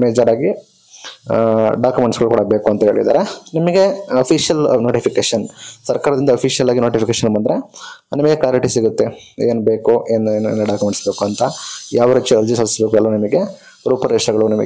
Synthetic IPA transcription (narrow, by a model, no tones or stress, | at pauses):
meːd͡ʒaːɾaːɡi | ɖaːkumeɳʈsɡɐɭukuːɽɐbeːkuɐnt̪ɐɦe̞ːɭḭd̪a̰ːɾenimɐɡe̞ɐpʰiʃjɐlnoːʈipʰikeːʂɐnsɐɾkaːɾɐd̪ind̪ɐpʰiʂijɐlaːɡinoːʈipʰikeːʃɐnmɐnd̪ɾenimɐɡeklaːɾɐʈisiɡut̪ːeeːnbeːkueːnːnenɐɖaːkumeɳʈsbe̞ːkuɐnt̪ɐjaːʋɐɾɐt͡ʃːuɐɾd͡ʒisɐlsisbeːkuɐlːɐnɐmɐɡe̞ | ɾuːpɐɾeʂɐɡɐɭunɐmɐ̰ɡe